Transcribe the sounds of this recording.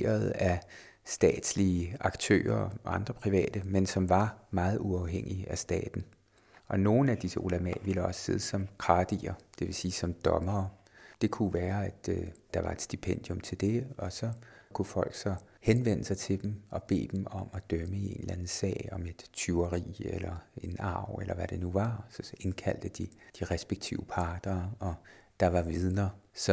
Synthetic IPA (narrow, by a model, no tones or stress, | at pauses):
ɐð̩ˠæ | sd̥ɛ̰ːd̥sliəɑ̈ɡ̥t͡sʰø̰ːɐɑ̈nd̥ʁɐpʰʁiʋɛ̰ːd̥əmensɒ̽mʋɑ̈mɑ̈ːð̞̩ˠuɑ̈ʊɦeŋ̰iæsd̥ɛ̰ːd̥n̩ | ʔɒ̽no̝ːn̩æd̥isəʔolæmɛ̰ʋiləɒ̽sə̥se̝ð̞ˠəsɒ̽mkʰʁɑ̈ːd̥ḭːɐd̥e̝ʋe̝siːsɒ̽md̥ɒ̽mɐː | d̥e̝kʰuʋæːɐæd̥d̥ɑ̈ʋɑ̈e̝d̥sd̥ipʰen̰d̥jomt͡sʰe̝ld̥e̝ɒ̽sɒ̽kʰufɒ̽l̰ɡ̥sɒ̽ | henʋen̰əsɑ̈ɪt͡sʰe̝d̥emʔɒ̽b̥e̝̰ːd̥emɒ̽mæd̥œməie̝̰ːnlænð̩sɛ̰ːɪɒ̽me̝d̥t͡sʰyʊɐʁḭːḛlɐe̝nɑ̈ʊ̰elɐʋæɾ̥e̝nuʋɑ̈sɒe̝nkʰæl̰d̥əd̥id̥iʁɛsb̥eɡ̥̚t͡sʰḭʊəpʰɑ̈ːd̥ɐːɒd̥ɑ̈ʋɑ̈ʋiðˠnɐsɒ̽